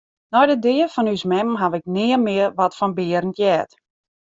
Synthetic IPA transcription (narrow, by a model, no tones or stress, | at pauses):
nɔjdədɪəfɔnysmɛmɦaʋɪk̚nɪəmɪərʋɔtfɔnbɪːəɾəntjɛːt